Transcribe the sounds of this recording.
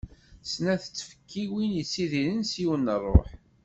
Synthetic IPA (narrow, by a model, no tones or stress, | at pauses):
snæθət͡sːfə̥kʰːiwinjəsːiðinənsiwənːərˤːo̰ħ